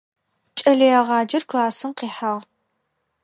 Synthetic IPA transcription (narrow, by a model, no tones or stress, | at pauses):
t͡ʃʼɐɮɐjɐʁɑːd͡ʒɐrkʰlaːsɨmqiːħaːʁ